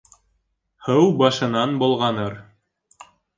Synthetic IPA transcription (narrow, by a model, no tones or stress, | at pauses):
hɤwbɑʃɤ̆nɑnbŏlˠʁɑnɤɾ